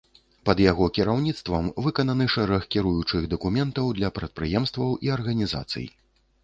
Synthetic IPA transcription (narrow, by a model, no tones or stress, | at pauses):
pɐd̪jaɣɔkʲiɾawnʲit̪st̪vɐmvɨkɐnɐnɨʂɛɾɛxkʲiɾujut͡ʂɨɣd̪ɐkumʲɛnt̪ɐwd̪lʲɐpɾɐt̪̚pɾɨjɛmst̪vɐwʔiɐrɣɐnʲiza̰t̪sɨ̰j